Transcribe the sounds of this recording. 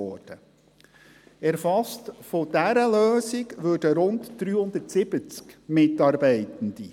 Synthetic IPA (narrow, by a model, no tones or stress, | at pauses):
ɔːd̥ə | ɛɾfɑstfod̥æɾəløːsɪɡʋøːdəɾʊntd̥ɾyːhʊnd̪ətsɪb̥ət͡skmɪtɑːɾbɛɪtənd̥i